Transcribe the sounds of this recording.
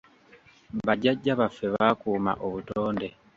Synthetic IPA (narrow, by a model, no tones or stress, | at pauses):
βaɟaɟːaβafːe̞βakuːma̰ʔoβutoːnde̞